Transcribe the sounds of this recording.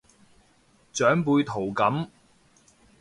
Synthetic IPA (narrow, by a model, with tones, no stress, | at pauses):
t͡sœː˨˥ŋpuː˧jt̪ʰo˨˩wkɐ˨˥m